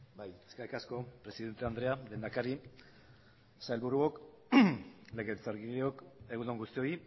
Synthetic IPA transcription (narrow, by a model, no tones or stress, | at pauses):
bajeskajkasko̞pɾe̞siðe̞nt̪e̞and̪ɾeale̞nd̪akaɾi | saelβuɾuok | le̞ɣelt͡saɾɣileoke̞ɣunoŋɡust̪io̞i